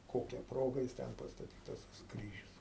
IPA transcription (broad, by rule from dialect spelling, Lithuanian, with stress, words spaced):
ˈkoːkʲɛ ˈproːɡɐ jɪs ˈtʲɛn pɐstɐˈtʲiːtɐs tɐs ˈkrʲiːʒʲʊs